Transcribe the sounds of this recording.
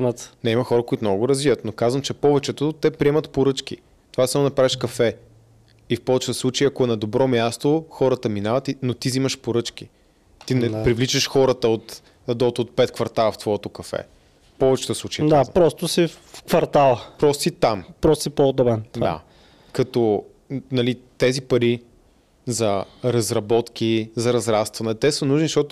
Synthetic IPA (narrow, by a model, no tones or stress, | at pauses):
nət̪nɛimɐxɔɾəkoʊit̪omnɔɡʊɡʊɾɐzvivət̪nokazvəmt͡ʃɛpɔvɛt͡ʃɛt̪ot̪ɛpɾiɛmɐt̪poɾɤt͡ʃk̟ḭ | t̪ovasamʊnɐpɾavɛʃkɐfɛ | ifpɔvɛt͡ʃɛt̪əslˠut͡ʃɐjiɐkoɛnɐd̪obɾɔmʲjast̪oxɔɾət̪əminavɐt̪inot̪izimɐʃpoɾɤt͡ʃk̟i | t̪inɛpɾivlit͡ʃəʃxɔɾət̪əot̪ | ɐd̪ɔt̪ot̪̚pɛt̪̚kvɐɾt̪alˠəft̪vɔɛt̪okɐfɛ̰ | pɔvɛt͡ʃɛ̥t̪əslˠut͡ʃɐjd̪apɾɔst̪ʊsif | fkvɐɾt̪alˠpɾɔst̪it̪ampɾɔst̪sipod̪ɔbɛnd̪̰a̰ | kɐt̪ɔ | nɐlit̪ɛzipɐɾi | zɐɾɐzɾɐbɔt̪k̟izɐɾɐzɾast̪vɐnɛt̪ɛsənuʒnizʃt̪ɔt̪ʊ